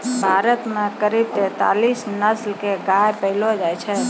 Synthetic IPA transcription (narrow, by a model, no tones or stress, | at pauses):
bʱaɾət̪mãkəɾib̚t̪ɛ̃t̪a̰lisnəslkeɡajpəilod͡ʒajt͡ʃʰe